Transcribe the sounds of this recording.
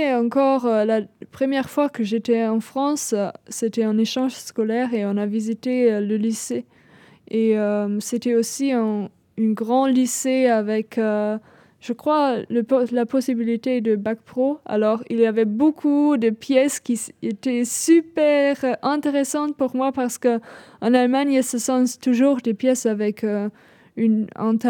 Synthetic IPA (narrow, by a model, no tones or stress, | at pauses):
ɛɑ̃kɔʁølapχəmjɛʁfwakəʒet̪ɛɑ̃fχɑ̃sːet̪ɛɛ̃neʃɑ̃ʒskɔlɛʁeɔ̃navizit̪eləlise | eømset̪ɛosiɛ̃ | ỹɡʁɑ̃liseavɛkø | ʒ̥əkχwaləlapɔsibilit̪ed̪əbak̚pχoa̰lɔʁiljavɛbokʰud̪əpjɛskʲiet̪ɛsypɛʁɛ̃t̪eʁesɑ̃t̪puʁmwapaʁsə̥kəɑ̃nalmaɲilsəsɑ̃st̪uʒuːʁd̪epjɛsavɛkø | ynɛ̰̃t̪